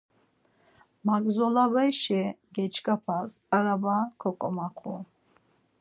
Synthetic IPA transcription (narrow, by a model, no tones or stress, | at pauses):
maɡzɔlabajʃɛɡɛt͡ʃʰʼkʼapʰazaɾabakʰɔkʼɔmaχʰu